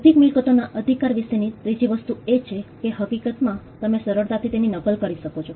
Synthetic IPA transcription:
əd̪ʱikmɪlkət̪onaʔəd̪ʱikaɾʋiʃenit̪ɾid͡ʒiʋəst̪uet͡ʃʰekeɦəkikət̪mã | t̪əmesəɾəɾt̪at̪ʰit̪eninəɡəlkəɾiʃəkot͡ʃʰo

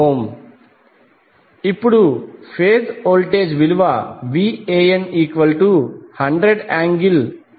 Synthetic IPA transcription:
ɦoːm | ipːuɽupʰeːd̪oːlʈeːd͡ʒʋiluʋɐʋiːeːjɐniːkʋɐlʈuhɐɳɖɾeɖaːŋɡil

